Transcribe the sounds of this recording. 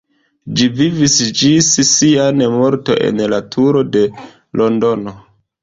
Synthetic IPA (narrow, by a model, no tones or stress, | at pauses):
d͡ʒivivisd͡ʒissianemo̞ɾto̞̰ʔe̞̰nlatʰuɾo̞de̞ | lʔo̞ndo̞no